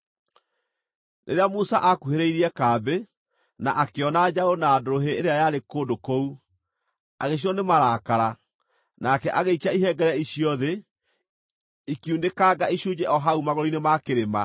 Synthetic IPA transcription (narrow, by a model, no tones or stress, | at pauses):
nʔḛɾeamosaʔakuheɾeiɾiɛkaːbe | naʔakeɔnad͡ʑaonaːdoɾoɦeeɾeajaɾekoːdokou | aɣeɕ̬iɔnemaɾaːkaɾa | nakɛʔaɣeikaiɦɛɡɛɾɛiɕiɔðe | ikiundekaɡaiɕud͡ʑɛʔɔɦaumaɣɔɔinemakeɾema